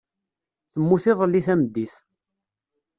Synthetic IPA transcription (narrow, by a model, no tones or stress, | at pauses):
θəmːuθɪðˤəlːiθæmd̪ːiθ